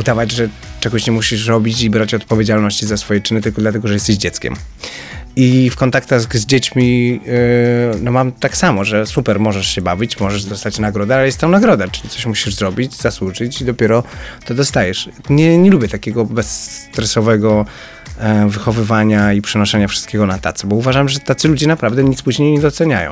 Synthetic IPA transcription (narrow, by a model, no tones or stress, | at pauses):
ud̪avad͡ʑʐɛ | t͡ʂɛɡɔɕɲɛmuɕiʂɾɔbʲit͡ɕibɾat͡ɕɔt̪̚pɔvʲed͡ʑalnɔɕt͡ɕizasfɔjɛt͡ʂɘnɘt̪ɘlkɔd̪lat̪ɛɡɔʐɛjɛst̪ɛɕd͡ʑɛt̪skʲɛ̰m | ifkɔnt̪akt̪aɣzd͡ʑet͡ɕmʲi | nɔmamt̪aksamɔʐɛsupɛɾmɔʐɛʂɕɛbavʲit͡ɕmɔʐɛʐd̪ɔst̪at͡ɕnaɡɾɔd̪ɛalɛjɛst̪ːɔ̃w̃naɡɾɔd̪at͡ʂɨ̥lʲit̪sɔɕmuɕiʐzɾɔbʲid͡ʑzaswuʐɨt͡ɕid̪ɔpʲjɛɾɔt̪ɔd̪ɔst̪ajɛʂ | ɲɛɲɛlubʲjɛt̪akʲɛɡɔbɛst̪ɾɛsɔvɛɡɔ | vɘxɔvɘvaɲaipʂɛnɔʂɛɲafʂɨ̥st̪kʲɛɡɔnat̪a̰t̪sɛbɔuvaʐamʐɛt̪at̪sɨlud͡ʑɛnapɾavd̪ɛɲit̪spuʑɲejɲɛd̪ɔt̪sɛɲajɔ̰̃w̃